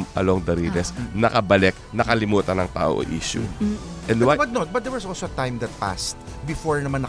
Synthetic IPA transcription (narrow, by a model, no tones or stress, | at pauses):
mʔɐ̰loŋd̪ɐɾiːd̪ɛsnɐkɐbɐlɛk̚ | nɐkɐlɪmuːt̪ɐnɐŋt̪a̰ːʔo̰ʔo̰ʔḭːʃʊ̰ʔɛ̃nd̪wbɐd̪̚not̪̚bɐt̪̚d̪ɛɹwɐsɔlsoɐt̪ãjmd̪ɐt̪̚pa̰st̪̚ | bɪfoɹnɐmãnːɐ